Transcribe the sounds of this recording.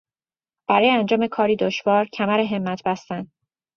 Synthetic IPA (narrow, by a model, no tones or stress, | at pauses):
b̥æɾɒːjeænd͡ʒɒːme̞kʰɒːɾiːd̪oʃvɒːɾcʰæmæɾeɦe̞mːæt̪ʰbæst̪æn